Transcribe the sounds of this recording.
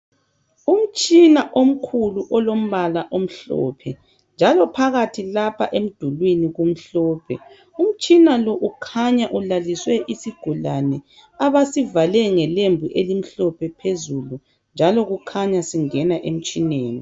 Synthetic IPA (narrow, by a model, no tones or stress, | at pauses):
um̩t͡ʃʼinaʔom̩kʰuluʔɔlom̩βalaʔom̩ɬɔ̰ːpʰɛ | nd͡ʒʱalɔpʰaɣatʰilapʰaʔem̩d̥ʱulwiniɣum̩ɬɔːpʰɛ̰ | um̩t͡ʃʼinalɔʔukʰaɲaʔulaliswɛʔisiɡ̥ʱulanɛ | aβasivalɛŋɛlembʱuʔelim̩ɬɔpʰɛpʰezulu | nd͡ʒʱalɔɣukʰaɲasiŋɛnaʔem̩t͡ʃʼineːni